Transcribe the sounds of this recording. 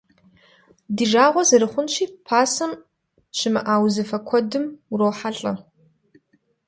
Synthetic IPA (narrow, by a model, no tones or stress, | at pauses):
diːʒaːʁʷɔzɐɾɨχʷʊnʃiːpʰaːsɐm | ɕʰɪmɐ̰ʔaːwzɐfɐkʷʰɔdɨmrowħaɬʼɐ